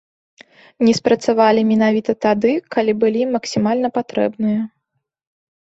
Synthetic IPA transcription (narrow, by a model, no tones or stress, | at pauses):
nʲɛspɾɐt̪savalʲimʲɛnavʲit̪ɐt̪ad̪ɨkalʲibɨlʲimɐksʲimalʲnɐpat̪ɾɛ̰bnɨjɐ